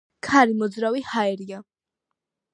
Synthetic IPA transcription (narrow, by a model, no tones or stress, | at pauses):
kʰaɾimɔd̪zɾavihaɛɾia